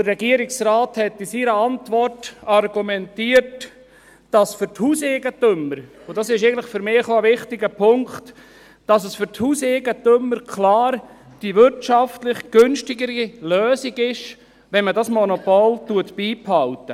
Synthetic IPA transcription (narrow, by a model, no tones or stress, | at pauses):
d̥ərːɛɡiəɾɪksɾaːthɛtɪsiːɾəɑntvɔrtɑrɡumɛntiːəɾt | d̥ɑsfʏɾthuːseːɡətʏmːəɾ | ʊdɑsɪʃeɪɡəntləɪχføɾmɪːχoəvɪχtɪɡəpʰʊŋkt | d̥ɑsəsfʏɾthuːseɡətømːəɾkʰlɑːɾ | d̥iʋʏɾtʃɑftlɪχɡ̥ønʃtɪɡəɾiløːsiɡɪʃ | ʋɛnmədɑsmɔnopoltuətb̥iːphɑltə